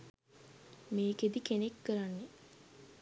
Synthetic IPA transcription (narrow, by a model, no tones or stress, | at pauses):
meːked̪ikenekːəɾanːe